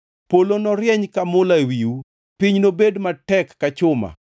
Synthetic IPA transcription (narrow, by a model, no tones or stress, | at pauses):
polonɔɾjɛɲkamʊlawiu | piɲnobedmatɛkːat͡ʃʊma̰